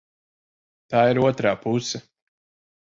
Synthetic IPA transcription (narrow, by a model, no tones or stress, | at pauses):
t̪aːiɾuɔt̪ɾaːpusɛ